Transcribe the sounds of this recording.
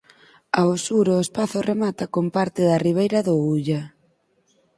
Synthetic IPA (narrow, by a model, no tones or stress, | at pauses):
aosuɾoːspaθʊremat̪ɐkompaɾt̪ɪðɐriβ̞ejɾɐðʊuʎa